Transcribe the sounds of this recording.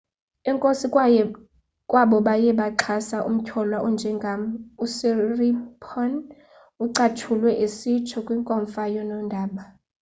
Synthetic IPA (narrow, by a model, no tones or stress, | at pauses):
ɛŋkʼosikʼ | kʼwaɓɔɓajɛɓaǃʰasaʔṵm̩kʰɔlwaʔund͡ʒʱɛŋɡʱamusiripʰɔn | uǀatʰulwɛʔisit͡ʃʰɔkʼwiŋkʼɔɱfajɔnɔndʱaːɓa